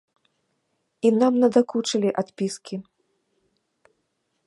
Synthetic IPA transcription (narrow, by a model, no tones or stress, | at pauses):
inamnɐd̪akut͡ʂɐlʲiʔat̪pʲiskʲi